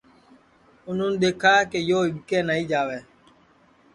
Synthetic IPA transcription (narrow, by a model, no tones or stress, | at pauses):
ʊn̤ʊnɪɗ̪eːkʰaːkejoːɪɠkeːnəːĩːd͡ʒaːʋeː